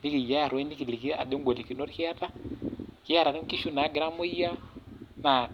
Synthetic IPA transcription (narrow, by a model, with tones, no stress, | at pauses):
ni˦ki˨ja˦ja˨ɾwɛ˦ni˦ki˨li˨ki˦a̰˨de˦ɡʷɔ˨li˨ki˨nɔ˦ɾki˦a˦ta˦ki˦a˦ɾa˨ɾi˦ki˦ʃu˦na˨˦ɡi˨ɾa˦mu˦i˦ja˦na˨